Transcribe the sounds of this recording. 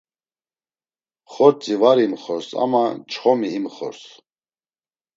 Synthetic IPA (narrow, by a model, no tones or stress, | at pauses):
χɔɾt͡sʼivaɾimχɔɾsa̰mat͡ʃʰʼχɔmiːmχɔ̰ɾs